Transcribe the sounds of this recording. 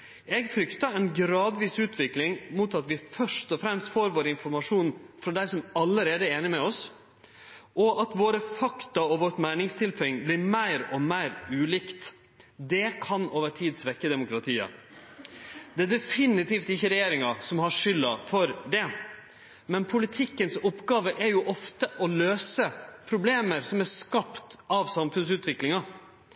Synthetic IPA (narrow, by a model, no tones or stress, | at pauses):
ɛɡfɾʏkt̪ɑæɪnɡɾɑːd̪ʋiːsʉːt̪ʰʋɪklɪŋmʊt̪ɑt̪ʋɪfœʂtɔfɾɛmst̪foːɾʋoːɾəɪnfɔɾmɑʂuːnfɾɔd̪æɪsɔmɑlːəɾeːd̪əɛɾeːnɪmɛɔs | ʔɔʔɑt̪ʋoːɾəfɑkt̪ɑɔʋɔːʈmæɪnɪŋst̪ʰɪlpʰœɪŋblɪɾmæɪɾɔmæɪɾʉːlikt̪ | d̪ɛkʰɑnʔoːʋəʈʰiːd̪sʋɛkːəd̪ɛmʊkɾɑt̪ʰiːɑ̰ | d̪ɛæd̪ɛfɪnɪt̪iːft̪ɪçːəɾɛjeːɾɪŋɑsɔmhɑʂʏlːɑfɔɾd̪ɛ | mɛnpʰʊlɪt̪ʰɪkːənsʊpːɡɑːʋəʔæɾjʊʔɔft̪əʔɔløːsəpʰɾʊbleːməɾsɔmæskɑpt̪ʔɑʋsɑmfʉnsʉːt̪ʋɪklɪŋɑ